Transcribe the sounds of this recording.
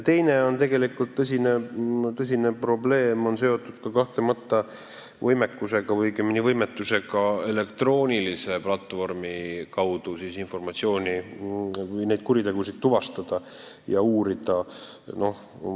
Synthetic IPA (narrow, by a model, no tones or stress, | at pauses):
jt̪e̞jne̞o̞nt̪e̞ɡe̞likːult̪ːɤs̬ʲinet̪ɤs̬ʲine̞pro̞ble̞ːmo̞ns̬e̞o̞t̪ːˑud̪̥kɑkɑht̪lemɑt̪ːɑ | vɤjme̞kːuse̞ɡ̥ɑvɤjɡeminivɤjmet̪ːuse̞ɡɑe̞le̞kt̪ro̞ːnʲilise̞plɑt̪ːˑvo̞rmikɑwd̪usisinfo̞rmɑt̪sio̞ːnʲi | vɯjne̞jd̪̥̚kuɾit̪e̞ɡ̥usid̪̥t̪ːuvɑst̪ɑd̪̥ɑjɑuːɾid̪̥ɑno̞h